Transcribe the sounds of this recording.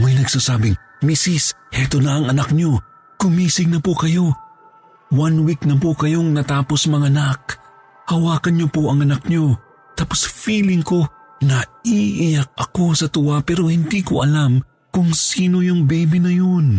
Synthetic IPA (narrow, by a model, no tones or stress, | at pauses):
majnɐɡsasaːbɪŋ | misis | ʔɛt̪onaʔɐŋɐnak̚ɲo | kʊmiːsɪŋnɐpokɐjo̞ | wanwiknɐpokɐjoŋnɐt̪aːposmɐŋanak̚ | hɐwaːkɐnɲopoʔɐŋɐnak̚ɲo | t̪aːposfiːlɪŋko̞ | nɐiʔɪjak̚ɐko̞sɐt̪ʊwapɛɾo̞hɪnd̪iko̰ʔɐlam | kʊŋsiːnojʊŋbɛjbinɐjon